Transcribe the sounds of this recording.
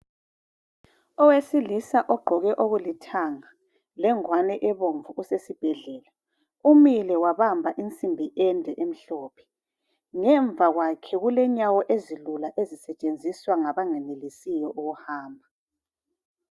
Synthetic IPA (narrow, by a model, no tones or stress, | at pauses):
ɔwesilisaʔɔɡ͡ǃʱɔɣɛʔoɣulitʰaŋa | lɛŋwanɛʔɛβoɱvuusesib̥ʱɛɮɛːla | umilɛwaβambʱaʔint͡sʼimbʱiʔɛndʱɛʔem̩ɬɔpʰɛ̥ | ŋɛɱvʱaɣwakʰɛɣulɛɲawɔʔezilulaʔezisɛt͡ʃʼend͡zʱiswaŋaβaŋɛnelisijɔʔuɣuhaːmbʱa